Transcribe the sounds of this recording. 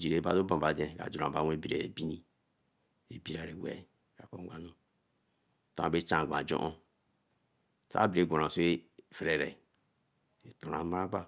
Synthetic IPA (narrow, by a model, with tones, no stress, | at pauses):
d͡ʒi˨ɾe˨˦ba˦do˦bã˨ba˨de˨ka̰˨d͡ʒu˨ɾa̰˨ba˨wʷe˦bi˨ɾe˨e˨bi˦ni˦ | e˨bi˦ɾa˨ɾe˨wʷḛ˨ | ka˨ko̰˦a˦no˦˨ | tã˨˦˨be˦t͡ʃã˦˨ɡʷã˨d͡ʒo̰˦ʔo˦ | sa̰˦bi˨ɾe˨˦ɡʷo˨ɾa˨so˦e˦fɾe˨ɾe˨ | e˨tu˨ɾa˨˦ma˦ba˦